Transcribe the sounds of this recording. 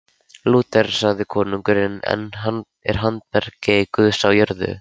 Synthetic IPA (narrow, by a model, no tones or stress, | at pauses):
luːt̪ɛɾ̥saɣðɪkʰɔːnuŋkʏɾɪnɛ̰nɦan | ɛɾ̥ɦant̪̚pɛɾ̥cɪkʏðsawjœɾðʏ̰